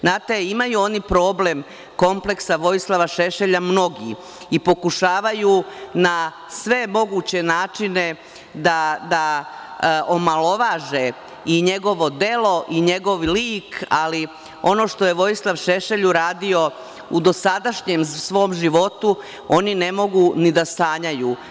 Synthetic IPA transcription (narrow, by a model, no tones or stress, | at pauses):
znaːt̪e̞imajuo̞nipɾo̞ːble̞m | ko̞mple̞ksaʋo̞jislˠaʋaʃe̞ʃeʎamno̞ɡi | ipo̞kuʃaːʋajuna | sʋe̞mo̞ɡuːt͡ɕe̞naːt͡ʂine̞ | d̪ad̪a | omalˠo̞ʋaʒe | iɲe̞ɡo̞ʋo̞d̪e̞lo̞ʔiɲe̞ɡo̞ʋliːkali | o̞no̞ːʃt̪o̞je̞ʋo̞jislˠaʋʃeʃe̞ʎuɾaːd̪io̞ | ud̪o̞sad̪aʃɲemsʋo̞ːmʒiʋo̞t̪u | o̞nine̞mo̞ɡunid̪ast̪aːɲajuː